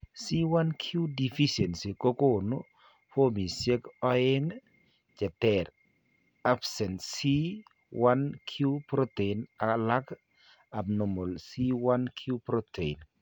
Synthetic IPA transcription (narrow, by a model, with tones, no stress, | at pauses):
si˦wa˦nkʰju˦di˨fi˦se˨nsi˨ko˦ko˦˨no˦ | fo˦mi˨se˦kɔ˦e˦ŋ | d͡ʒɛ˨tɛɾ | a˦psɛ˨nsi˦ | wa˦nkʰju˦pɾo˦te˨i˨na˨la˦k | a˨bno˨mo˨lsi˦wa˦nkʰju˦pɾo˦te˨i˨n